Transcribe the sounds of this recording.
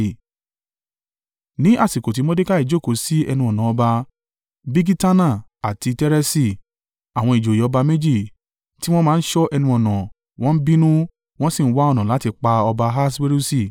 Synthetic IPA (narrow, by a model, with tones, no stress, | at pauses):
nĩ˨˦ʔa˦˨si˨ko˨t̬i˨˦mɔ̃˦de˦ka˦i˨d͡ʒo˦˨ko˨si˨˦ɛ̰˧nũ˧ɔ˨nã˨ɔ˧ba˧ | bi˦ɡi˦ta˦nã˦˨a˨ti˧tɛ˦ɾɛ˦si˦˨ | a˨w̃ɔ̃˧i˨d͡ʒo˨jɔ˧ba˧me˦d͡ʒi˦˨ | ti˦w̃ɔ̃˦mãː˦n̩˦ʃɔ˦ʔɛ˧nũ˧˦ɔ˨nã˨ | w̃ɔ̃˦n̩˦bĩ˦nũ˦ | w̃ɔ̃˦sĩ˦˨n̩˦wa˦ɔ˦˧nã˨la˨˦ti˧k͡pa˧ɔ˧ba˧ɦa˦swe˦ɾu˦si˦˨